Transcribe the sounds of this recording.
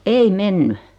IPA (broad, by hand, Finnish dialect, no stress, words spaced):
ei menːy